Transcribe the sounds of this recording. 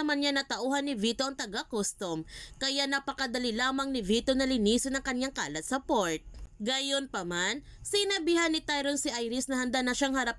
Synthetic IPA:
ɐmanɲanɐt̪ɐʔuːhɐnːɪvit̪oʔɐŋt̪ɐɡakost̪omkɐjaʔnɐpɐkɐd̪ɐlilaːmɐŋnɪvit̪onɐlɪniːsɪnɐŋkɐɲjaŋka̰ːlɐt̪̚sɐpoɹt̪̚ɡajonpɐman | sɪnɐbiːhɐnːɪt̪ajɾonsɪʔajɾɪsnɐhɐnd̪anɐʃaŋhɐɾap̚

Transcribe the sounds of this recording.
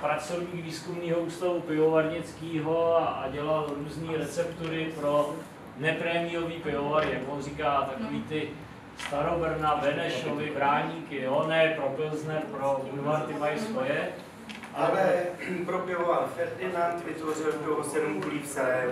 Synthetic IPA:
pɾat͡sovɲiːkviːskumniːɦo̞uːst̪avupɪovaɾɲɪt͡skiːɦo̞aʔaɟɛlalɾuːzniːɾɛt͡sɛpt̪uɾɪpɾo | nɛpɾɛmiːɾoviːpɪovaɾɪjakvonriːkaːt̪akoviːt̪ɪ | st̪aɾobr̩navɛnɛʃovɪbɾaːɲiːkɪonɛpɾopɪlznɛɾpɾounvant̪ɪvajskojɛ | ʔaɛpɾopɪlovalfɛɾdɪnant̪vɪt̪vorɪlt̪oɦosɛdmkuliːfsɛɾɛ

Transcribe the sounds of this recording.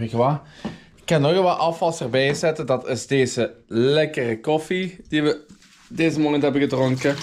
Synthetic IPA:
ɪkəʋa | ɪkːɑnɔɣəʋaʔɑfɑlˠsərbɛjzɛtədɑtɪzdeːzəlɛkərəkɔfid̥iʋə | deːzəmoːnəntɦɛbəɣədroŋkə

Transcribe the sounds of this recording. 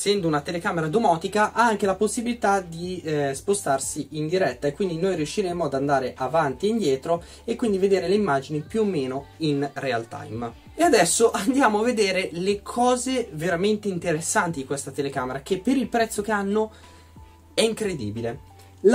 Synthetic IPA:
sɛnd̪ounat̪elekaːmeɾad̪omɔːt̪ikaʔaaŋk̟elaposːibilit̪ad̪ispost̪arsiind̪iɾɛt̪ːaekwind̪inojɾiuʃːiɾemoad̪and̪aːɾeʔavant̪ieind̪jɛːt̪ɾo | ekːwind̪ived̪eːɾeleimːaːd͡ʒinipjuomːeːnoinrea̰lt̪a̰jm | ead̪ɛsːoʔand̪jaːmoaved̪eːɾelekʰɔːzeveɾament̪eint̪eɾesːant̪id̪ikwest̪at̪elekaːmeɾak̟epːeɾilpɾɛt̪sːok̟eanːo | ɛiŋkɾed̪ḭːbile

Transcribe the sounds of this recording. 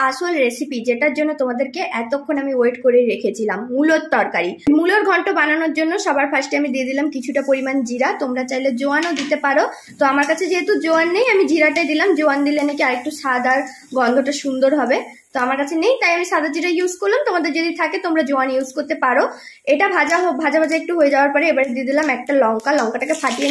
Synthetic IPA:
aʃolɾesipid͡ʑeʈaɾd͡ʑonːot̪omad̪eɾkeʔɛt̪okʰːonamiweʈkoɾeɾekʰet͡ɕʰilamːulot̪ːɔɾkaɾimuloɾɡʱɔɳʈobananoɾd͡ʑonːoʃɔbaɾfʰaʃʈeamid̪ied̪ilamkit͡ɕʰuʈapoɾimand͡ʑiɾat̪omɾat͡ɕajled͡ʑoanod̪it̪epaɾo | t̪oamaɾkat͡ɕʰed͡ʑeɦet̪ud͡ʑoanːejamid͡ʑiɾaʈajd̪ilamd͡ʑoand̪ilenekeaɾek̚ʈuʃad̪aɾ | ɡɔnd̪ʱoʈaʃund̪oɾɦɔbe | t̪oamaɾkat͡ɕʰenejt̪ajamiʃad̪ad͡ʑiɾajuzkoɾlamt̪omad̪eɾd͡ʑod̪it̪ʰaket̪omɾad͡ʑoanjuzkoɾt̪epaɾo | eʈabʱad͡ʑaɦobʱad͡ʑabʱad͡ʑaek̚ʈuɦoed͡ʑaoaɾpɔɾeebaɾed̪ied̪ilamɛk̚ʈalɔŋkalɔŋkaʈakefaʈie

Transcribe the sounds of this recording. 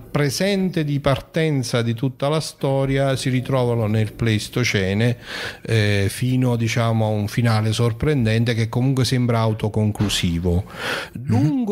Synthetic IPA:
pɾezɛnt̪ed̪ipart̪ɛnt̪sad̪it̪ut̪ːalast̪ɔːɾjasiɾit̪ɾɔːvanonelplest̪ot͡ʃɛːne | fiːnod̪it͡ʃaːmoauɱfinaːlesorpɾend̪ɛnt̪̬ek̟ekːomuŋkwesɛmbɾaawt̪okoŋklusiːvoluŋɡ

